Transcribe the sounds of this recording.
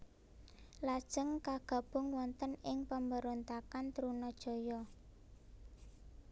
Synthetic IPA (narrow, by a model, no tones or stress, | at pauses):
lad̥ʒ̥əŋkaɡ̥ä̤b̥ʊ̤ŋwɔnt̪ənɪŋpəmbəɾont̪akant̪ɾunɔd̥ʒ̥ɔ̤jɔ